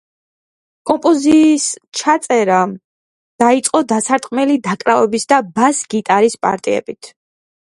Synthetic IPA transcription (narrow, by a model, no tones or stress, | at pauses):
kʼɔmpʼɔziːst͡ʃʰat̪sʼɛɾa | d̪̥ait̪sʼqʼɔd̪asaɾt̪ʼqʼmɛlid̪akʼɾavɛbisd̪abasɡit̪ʼaɾispʼa̰ɾt̪ʼiɛ̰bit̪ʰ